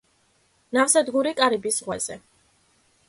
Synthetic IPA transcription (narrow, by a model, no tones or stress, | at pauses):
nafsad̪ɡuɾikʼaɾibisʁwɛz̥ɛ